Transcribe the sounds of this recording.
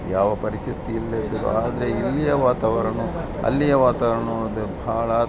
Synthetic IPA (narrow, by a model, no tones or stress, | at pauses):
jaːʋɐpɐɾisit̪iːlːɐd̪ɐɾṵaːd̪ɐɾe̞ilːijɐʋaːt̪ɐʋɐɾɐnu | ɐ̰lːijɐʋaːt̪ɐʋɐɾɐnoːɭod̪ubʱaːɭɐ